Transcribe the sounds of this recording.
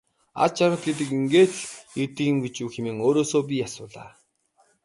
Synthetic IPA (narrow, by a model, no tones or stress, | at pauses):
a̰ɮt͡ɕaɾə̆t̪̚ɡet̪̬ɘ̆kiŋɡeːt̪et̪ĭːŋɡet͡ɕuːxemeːŋoːɾoːsoːp̬ʲijasʊːɮa̰ː